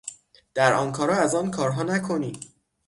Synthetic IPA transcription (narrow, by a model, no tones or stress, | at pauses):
d̪̥æɾɒ̰ːnkʰɒːɾɒːæzɒːnkʰɒːɾɦɒːnækʰo̞niː